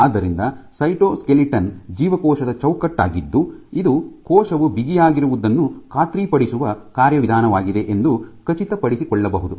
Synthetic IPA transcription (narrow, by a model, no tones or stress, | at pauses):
aːd̪ːɐɾind̪ɐsɐjʈoːskeliʈɐnd͡ʒiːʋɐkɔːʃɐd̪ɐt͡ʃɐwkɐʈːa̰ːɡid̪ːuid̪ukɔːʃɐʋubiɡijaːɡiɾuʋud̪ɐnːukʰaːt̪ɾiːpɐɽisuʋɐkaːɾjɐʋid̪ʱaːnɐʋaːɡid̪e̞ʔend̪ukɐt͡ʃit̪ɐpɐɽisikɔɭːɐbɐɦud̪u